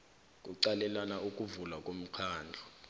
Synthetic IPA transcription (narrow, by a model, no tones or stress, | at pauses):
kʼuǀalɛlanaukʼuvulakʼom̩kʰaːnd͡ɮʱɔ